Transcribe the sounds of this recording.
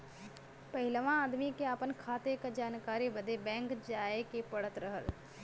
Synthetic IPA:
pəɦɪlʋãaːd̪mikeaːpənkʰaːt̪ekd͡ʒaːnkaːɾibəd̪ebɛ̃ːŋkd͡ʒaːekepəɽət̪ɾəɦəl

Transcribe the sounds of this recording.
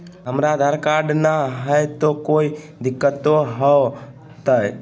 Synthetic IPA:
ɦəmɾad̪ʱaɾkaɖnaɦəjt̪okoi | d̪ikːət̪oɦə | t̪əj

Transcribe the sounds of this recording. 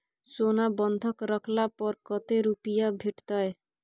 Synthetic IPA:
sonabɔnd̪ʱɔkɾɔkʰlapɔɾkɔt̪eɾupijabʱeʈt̪ae

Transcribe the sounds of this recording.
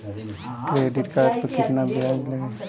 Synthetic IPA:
kɾeɖiʈkaːɾʈpəkɪt̪nabad͡ʒle

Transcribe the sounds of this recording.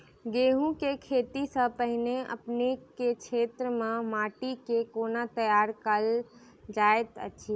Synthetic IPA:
ɡeɦũkekʰeːt̪isəpəɦineə̰pnekekʰeːt̪ɾəmẽmaːʈikekonat̪əjaɾkəl | d͡ʒaet̪ə̰ʃʰi

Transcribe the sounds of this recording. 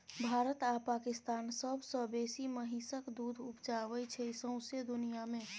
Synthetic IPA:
bʱaːɾət̪apaːkɪst̪aːnsəbʱsɔbeːsiməɦĩsəkd̪uːd̪ʱʊpt͡ʃaːʋəit͡ʃʰɛsə̃ʊ̃sed̪ʊnijamẽ

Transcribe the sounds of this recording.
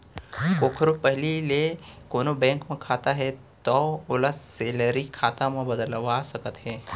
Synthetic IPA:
koːkʰəɾupəɦlilekoːnobɛ̃ːŋkmẽkʰaːt̪aɦɛ | t̪ɔːʊləsːeːləɾikʰaːt̪ãmẽbəd̪əlʋasəkət̪ɦɛː

